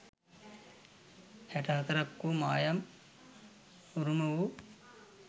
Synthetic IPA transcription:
æʈɐɦɐt̪ɐɾɐkːumaːjɐm | uɾumɐʋu

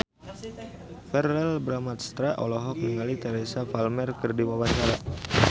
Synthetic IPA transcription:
fɛrɛlbɾamat̪̚st̪ɾaʔɔ̰lɔɦɔk̚nəŋalit̪ɛɾesafalmɛrkərdiwawat͡ʃaɾa

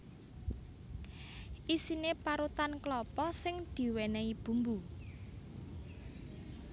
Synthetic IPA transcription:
ʔisinepaɾut̪anklɔpɔsɪŋd̪̥i̤wenɛib̥ṳmbu

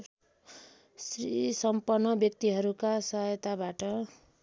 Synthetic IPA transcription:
srisʌmpʌrnːʌbjʌk̚t̪iɦʌɾukasʌɦʌjʌt̪abaʈʌ

